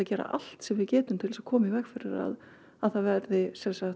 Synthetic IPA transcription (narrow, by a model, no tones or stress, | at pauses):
aðcɛːɾa̰ʔa̰l̥t̪sɛmvɪðcɛːt̪ʏmt̪ʰɪlsḁkʰɔːmɪvɛxfɪɾɪɾa̰ð | aðθaðvɛɾðɪsɛlsa